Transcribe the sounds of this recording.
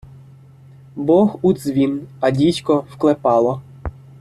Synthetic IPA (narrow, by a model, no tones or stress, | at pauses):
bɔxud̪zʋʲinɐdʲitʲkɔwklˠepɑlˠɔ